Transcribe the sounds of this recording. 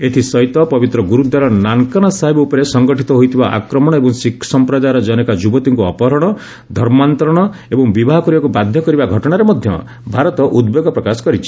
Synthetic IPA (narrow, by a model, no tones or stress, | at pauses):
et̪ʰisɔjt̪ɔpɔbit̪ɾɔɡuɾud̪aɾɔnaŋkaɽ̃ɔsaɦebɔupɔɾesɔŋɡɔʈit̪ɔɦojt̪ʰibaʔa̰kɾɔmɔɽ̃ɔebɔŋsikʰsɔmpɾɔd͡ʒaɾɔd͡ʒɔnekad͡ʒubɔt̪iŋkuɔpɔɦɾɔɽ̃ɔ | d̪ʱɔɾmant̪ɾɔɽ̃ɔebɔŋbibaɦɔkɔɾibakubad̪ʱjɔkɔɾibaɡʱɔʈɔɽ̃aɾemɔd̪ʱjɔ̰ | bʱaɾɔt̪ɔʔud̪beɡɔpɾɔkasɔ̥kɔɾit͡ʃʰi̥